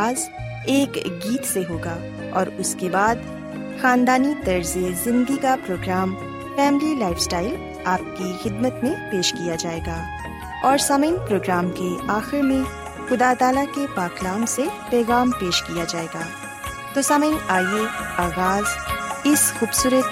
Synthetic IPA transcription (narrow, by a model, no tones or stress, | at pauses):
aːz | eːkɡiːt̪seɦoːɡaː | ɔːɾʊskebaːd̪ | xãːnd̪aːnit̪ɐɾzezɪ̃nd̪ikapɾoːɡɾaːm | fɛːmɪlilaːɪfsʈaːɪl | aːp̚kixɪd̪mət̪mẽpeːʃkijad͡ʒaːeːɡaː | ɔːɾsɐməinpɾoːɡɾaːmkeaːxɪɾmẽ | xʊd̪aːt̪aːlakepaːklaːmsepɛːɣaːmpeːʃkijad͡ʒaːeːɡaː | t̪oːsɐməiaːieaːɣaːzɪsxuːbsuːɾət̪